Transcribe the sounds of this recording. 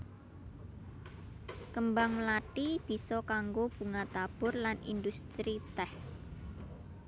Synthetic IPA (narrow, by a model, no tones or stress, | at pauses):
kəmbaŋlaʈib̥i̤sɔkaŋɡob̥ṳŋat̪ab̥ʊrlanḭnd̪ust̪ɾit̪ɛh